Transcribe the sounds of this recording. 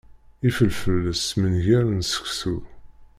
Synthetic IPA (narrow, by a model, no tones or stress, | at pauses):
ifəlfəlːəsmənʝæɾnsə̥kθu